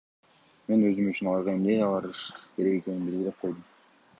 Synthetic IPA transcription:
me̞nøzymyt͡ʃynɑjʁɑjimd̪ejɑlˠɑɾɯʃkʲʰe̞ɾe̞ɡe̞ke̞nɪnbilɡʲiɾep̚qʰo̞jd̪ɯm

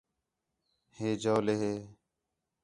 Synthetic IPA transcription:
heːd͡ʒoːleːɦeː

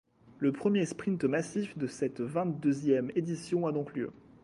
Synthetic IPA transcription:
ləpχəmjespχĩnt̪masifd̪əsɛt̪vɛ̃t̪̚d̪øzjɛmed̪isjɔ̃ad̪ɔ̃kljø̰

